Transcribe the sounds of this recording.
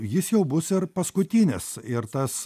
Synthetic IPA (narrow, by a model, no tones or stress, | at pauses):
jɪsjɛʊbʊsɪɾpɐskʊt̪ʲɪnʲɪsɪɾt̪ɐs